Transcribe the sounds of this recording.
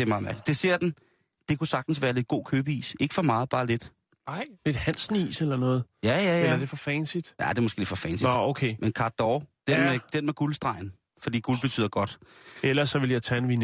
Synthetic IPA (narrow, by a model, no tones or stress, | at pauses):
d̥e̝mɑ̈ːð̩ˠmæɐɡ̥li̥d̥ese̝ɐ̰d̥en̩ | d̥e̝kusɑ̈ɡ̥̚d̥n̩sʋæːɐle̝d̥̚ɡ̥o̝̰ːkʰøːb̥əḭːse̝ɡ̥əfɒ̽mɑ̈ːð̞̩ˠb̥ɑ̈ːle̝d̥ | ɪ̰e̝d̥hæn̰snḭːselɐnɔ̽ːð̩ˠjæjæjæd̥e̝fɒ̽fɛnsid̥jæd̥e̝moɡ̥e̝̰le̝̥fɒ̽fɛnsiokʰeːmenkʰɑ̥̈d̥ɒʊd̥enmed̥enmeɡ̥ulsd̥ʁɑ̈ɪ̰n̩ | fɒd̥ḭːɡ̥ulb̥e̝t͡sʰy̰ð̰ˠɐɡ̥ɒ̽d̥elɐsːɒ̽ʋe̝ljɑ̈ɪt͡sʰæenʋin